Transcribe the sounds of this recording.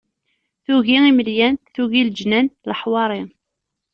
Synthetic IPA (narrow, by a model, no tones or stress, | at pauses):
θuɣiiməljænθuɣild͡ʒnænləħwɑɾˤi